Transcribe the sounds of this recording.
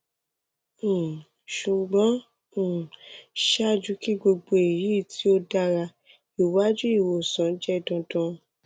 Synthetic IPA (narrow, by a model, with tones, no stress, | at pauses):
ʃu˨ɡ͡bɔ̃˨˦˨ | ʃa˦˨d͡ʒu˧˦ki˦ɡ͡bo˧ɡ͡bo˧e˨ji˨˦˨tʰi˨˦o˦da˧ɾa˧ | i˨wa˦d͡ʒu˦i˦˨wo˨sã˨˦d͡ʒɛ˦˨dɔ̃˧dɔ̃˧˦